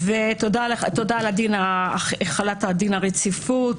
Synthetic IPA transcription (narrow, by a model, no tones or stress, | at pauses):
vetodaleχat̪odaladinaeχalathadinaʁet͡sifut